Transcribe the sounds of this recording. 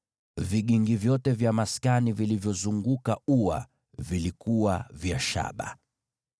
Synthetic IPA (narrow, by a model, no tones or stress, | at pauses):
viɠiŋɡivjɔtɛvjamaskanivilivjɔzuŋɡukauwa̰ | vilikuwavjaʃa̰ɓa̰